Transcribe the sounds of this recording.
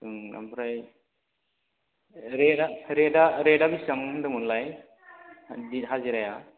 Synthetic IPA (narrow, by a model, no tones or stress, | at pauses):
ɯŋa̰mbʰɾaj | ɾedaɾedaɾedabisɯŋɯndɯmunlaj | diɦaziɾaja